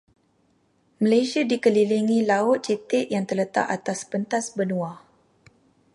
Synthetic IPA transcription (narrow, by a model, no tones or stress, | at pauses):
mə̃lejsiadikəliliŋilaʊt̪̚t͡ʃət̪ɪʔjaŋt̪ərlət̪a̰ʔat̪aspənt̪asbənũa